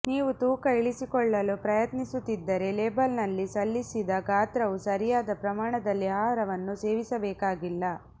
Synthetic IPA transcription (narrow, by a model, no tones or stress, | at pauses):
niːʋut̪uːkɐiɭisikɔɭːɐlupɾɐjɐt̪nisut̪ːid̪ːɐɾe̞leːbɐlnɐlːisɐlːisid̪ɐɡaːt̪ɾɐʋusɐɾijaːd̪ɐpɾɐmaːɳɐd̪ɐlːiɦaːɦɾɐʋɐnːuse̞ːʋisɐbɛːkaːɡilːɐ